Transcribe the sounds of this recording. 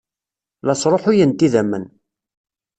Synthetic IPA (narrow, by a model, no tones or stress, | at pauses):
lɑsˤɾˤoħʊjənt̪iðæmːən